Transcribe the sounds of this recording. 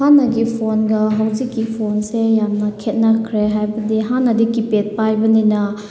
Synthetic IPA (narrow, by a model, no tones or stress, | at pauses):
hanːɐɡipʰonɡɐɦawzikːipʰonsejamnɐkʰet̚nɐkʰɾeɦajbɐdiɦanːɐdikipet̚pajbɐninɐ